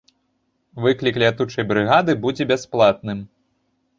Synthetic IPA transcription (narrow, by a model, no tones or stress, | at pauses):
vɨklʲiklʲiat̪ut͡ʂɐjbɾɨɣad̪ɨbud͡zʲɛbʲasplˠat̪nɨm